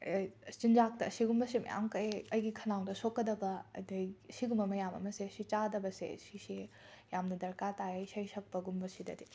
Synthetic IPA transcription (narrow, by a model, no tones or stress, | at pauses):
t͡ʃind͡ʒak̚tɐɐsiɡumbɐsemɐ̰ja̰mkɐeɐjɡikʰɐnaŋdɐsokːɐdɐbɐdɐjsiɡumɐmɐjamɐ̰mɐseɐsit͡ʃadɐbɐsḛsise | jamnɐdɐɾkatajɐjsɐjsʰɐk̚pɐɡumbɐsidɐ̰di